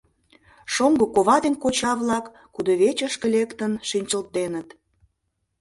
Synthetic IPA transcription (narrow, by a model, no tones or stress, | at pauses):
ʃoŋɡokoβɑd̪enkot͡ɕɑβlɑkːud̪oβet͡ɕəʃkə̆lekt̪ənʃinʲt͡ɕəlt̪enət̪